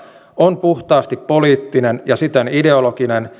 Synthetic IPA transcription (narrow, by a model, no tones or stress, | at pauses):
onpuht̪ɑːst̪ipːo̞liːt̪ːinenjɑsit̪ːenide̞olokinen